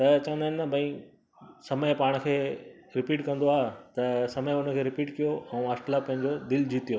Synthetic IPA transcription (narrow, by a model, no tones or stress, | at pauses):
t̪ɐt͡ɕɐʋə̃nd̪aːɪnt̪ɐbʱɐĩ | sɐməjpaːɽ̃ə̆kʰeː | ɾɪpiːʈkɐ̃nd̪oaːɦet̪ɐsɐməjʊnə̆kʰeːɾɪpiːʈkijoʔɛ̃ːasʈlapɐ̃ɦɪ̃ɲd͡ʑod̪ɪld͡ʑʱiːt̪ijo